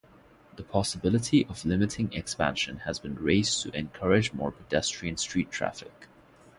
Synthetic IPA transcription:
ðəpʰɑsəbɪlˠətʰiʔəvlɪmɨtʰɪ̃ŋɛkspæ̰̃nʃə̃nhəzbɨ̃nɹeɪztʰɨʔɛ̃nkʰʌɹɪd͡ʒmɔ̰ːɹpʰədɛstɹ̥iɨ̃nstɹ̥itʰɹ̥æ̰fɪk

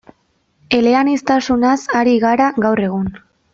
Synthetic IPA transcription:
e̞le̞anist̪asunasaɾiɣaɾaɣawre̞ɣ̞un

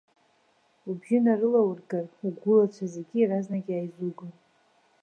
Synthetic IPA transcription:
ubʒʲɪnarɨlawrɡaruɡʷulat͡ʃʷʰazeɡʲiiraznaɡʲiajzuɡɨn

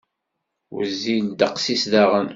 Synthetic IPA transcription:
wə̰zːind̪əqsisðæʁən

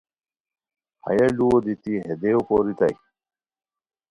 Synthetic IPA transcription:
hɐ̰jɐluwod̪it̪iɦed̪eopoɾit̪a̰j

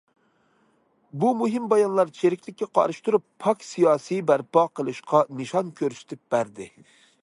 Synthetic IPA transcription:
bumuɦɪmbɑjɑnlˠɑɾt͡ʃʰeɾɪkʲlɪkʲːɛqʰɑ̰ɾɨʃt̪uɾupʰːɑksijɑːsijbæɾpɑqəlˠɨʃqʰɑnɨʃɑnkʲʰøɾysy̥t̪ʰɪp̚b̥æɾd̪ɪ

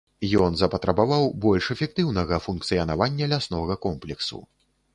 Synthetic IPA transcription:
jɔnzɐpɐt̪ɾɐbavawbɔlʲʂɛfʲɛk̚t̪ɨwnɐɣɐfunk̚t̪sɨjɐnavanʲːɐlʲasnɔɣɐkɔmplʲɛksṵ

